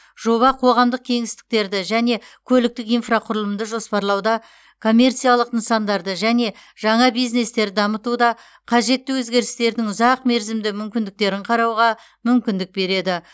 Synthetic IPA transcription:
ʒo̞βɑqʰo̞ʁɑmd̪əq̚kʲʰe̞ŋɪst̪ɪ̥k̚t̪e̞ɾd̪ɪʒæne̞kʲʰɵlɪk̚t̪ɪkijnfraqʰʊɾəlˠəmd̪əʒo̞spɑɾlˠɑwd̪ɑ | kʰo̞mʲːe̞rt̪sijalˠəqənsɑnd̪ɑɾd̪əʒæne̞ʒ̥ɑɴɑbijzne̞st̪e̞ɾd̪ɑmət̪ud̪ɑ | qʰɑʒe̞t̪ːɪwɵzɡʲe̞ɾɪ̥st̪e̞ɾd̪ɪŋʊzɑqme̞ɾzɪmd̪ɪmʏmkʲɪnd̪ɪk̚t̪e̞ɾɪɴqʰɑɾɑwʁɑ | mʏmkʲɪnd̪ɪk̚be̞ɾe̞d̪ɪ

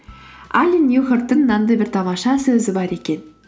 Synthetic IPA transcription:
ælʲinʲexəɾt̪ːəŋnːɑnd̪əjbɪɾt̪ʰɑmɑʃɑsɵzɪbɑɾe̞kʲe̞n

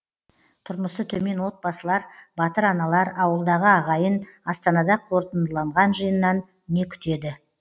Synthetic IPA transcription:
t̪ʰʊɾməsət̪ʰɵme̞nwo̞t̪̚bɑsəlˠɑɾbɑt̪əɾɑnɑlˠɑɾɑwəlˠd̪ɑʁəɑʁɑjənɑst̪ɑnɑd̪ɑqʰo̞ɾt̪ənd̪əlˠɑɴʁɑnʒəjənːɑnː | e̞kʲʰʏ̥t̪e̞d̪ɪ

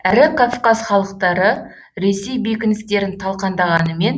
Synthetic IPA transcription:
æɾɪkʰofkɑzχɑlˠəq̚t̪ɑɾə | ɾe̞se̞jbekʲɪnɪst̪e̞ɾɪnt̪ʰɑlˠqɑnd̪ɑʁɑnəme̞n

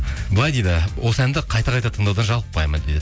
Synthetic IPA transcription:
bəlˠɑjd̪ejd̪ɪwʔo̞səænd̪ɪqʰɑjt̪ɑqʰɑjt̪ɑt̪ʰəɴd̪ɑwd̪ɑnʒɑlˠəp̚ːɑjmɑnd̪ejd̪ɪ

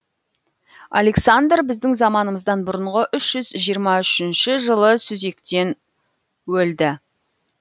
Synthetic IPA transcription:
ɑ̰le̞ksand̪rbɪzd̪ɪŋzɑmɑnəməzd̪ɑnbʊɾəɴʁəʔʏʃʒ̥ʏzʒijəɾmɑʏʃɪnʃɪʒəlˠəsʏze̞kt̪e̞n | wɵld̪ɪ

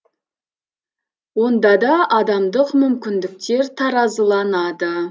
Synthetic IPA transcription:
wo̞nd̪ɑd̪ɑʔːd̪ɑmd̪əqmʏmkʲɪnd̪ɪk̚t̪e̞ɾt̪ʰɑɾɑzəlˠɑnɑd̪ə

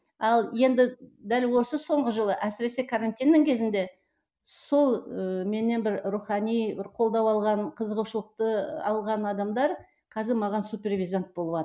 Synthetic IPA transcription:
ɑlˠje̞nd̪ɪd̪ælwo̞səso̞ɴʁəʒəlˠəʔæsɪɾe̞se̞kʰaɾant̪ʲijnːɪŋkʲʰe̞zɪnd̪e̞ | so̞lˠəme̞nːe̞nbɪɾruχɑnijbɪɾqʰo̞lˠd̪ɑwɑlˠʁɑnqʰəzəʁuʃəlˠəq̚t̪əɑ̰lˠʁɑnɑd̪ɑmd̪ɑɾ | qʰɑzɪɾmɑʁɑnsupʲe̞rvʲijzant̪̚bo̞lˠəβɑə

